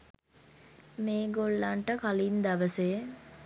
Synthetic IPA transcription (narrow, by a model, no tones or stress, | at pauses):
meːɡoɭːaɳʈəkalind̪ɐʋəse